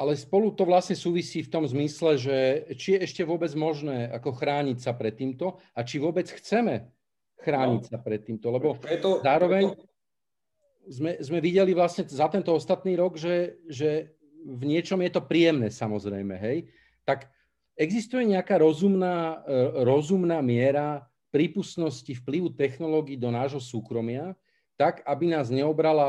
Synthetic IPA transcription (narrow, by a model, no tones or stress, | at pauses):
ʔalɛspɔlut̪ɔʋlasɲɛsuːʋisiːft̪ɔmzmislɛʒɛt͡ʃijɛɛʃcɛʋʊɔbɛd͡zmɔʒnɛːakɔxɾaːɲicsapɾɛt̪ːiːmt̪ɔ | at͡ʃiʋʊɔbɛt͡sxt͡sɛmɛ | xɾaːɲicsapɾɛt̪ːiːmt̪ɔlɛbɔɛɔzaːɾɔʋɛɲ | zmɛzmɛʋiɟɛliʋlasɲɛzat̪ɛnt̪ɔɔst̪at̪niːɾɔɡʒɛʒɛ | vɲɪɛt͡ʃɔmjɛt̪ɔpɾijɛmnɛːsamɔzɾɛ̰jmɛɦɛj | t̪ak | ɛɡzist̪ujɛɲɛakaːɾɔzumnaːɾɔzumnaːmɪɛɾa | pɾipusnɔscifpliʋut̪ɛxnɔlɔːɡiːd̪ɔnaːʒɦɔsuːkɾɔmɪa | t̪aɡabinaːzɲɛɔbɾala